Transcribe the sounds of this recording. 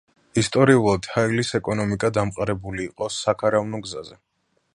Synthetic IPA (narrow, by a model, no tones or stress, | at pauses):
ist̪ʼɔɾiulˠad̪̥hailisɛkʼɔnɔmikʼad̪amqʼaɾɛbuliːqʼɔsakʰaɾavnɔɡzazɛ